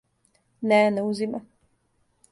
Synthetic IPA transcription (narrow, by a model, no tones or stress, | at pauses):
nɛnɛuzima